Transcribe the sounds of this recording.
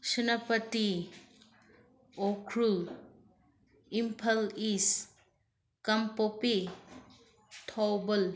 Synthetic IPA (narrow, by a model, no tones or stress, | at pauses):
sinapɐti | okʰɾu | impʰɐlis | kɐmpopi | tʰɔwbəl